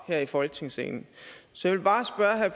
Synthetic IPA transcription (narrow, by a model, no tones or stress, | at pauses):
heɐ̰ifɒ̽lɡ̥ət͡sʰe̝ŋsḛːnn̩sɒ̽jɑʋe̝lb̥ɑ̈ːsb̥ɶɐɦæpʰ